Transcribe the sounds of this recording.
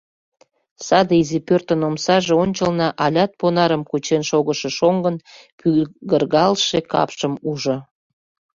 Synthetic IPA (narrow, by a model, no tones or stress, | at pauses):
sɑd̪əizipørt̪ənomsɑʒeonʲt͡ɕəlnɑʔɑlʲɑt̪̚ponɑɾəmkut͡ɕenʃoɣəʃeʃoŋɡənpyɡərɣɑlʃekɑ̰pʃəmuʒo